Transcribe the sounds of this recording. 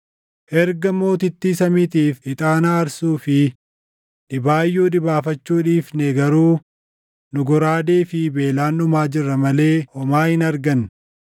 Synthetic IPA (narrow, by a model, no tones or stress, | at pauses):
ʔɛɾɡɐmo̞ːt̪̬ɪt̪ːiːsɐmɪt̪iːfɪt̪ʼaːnaːɾsuːfɪ | ᶑɪbaːjːuːᶑɪbaːfɐt͡ʃːuːᶑiːfnɛɡɐɾuː | nʊɡɔɾaːd̪eːfɪbe̞ːlaːnʊmaːd͡ʒɪrːɐmɐle̞ːhɔmaːhɪnɐɾɡɐn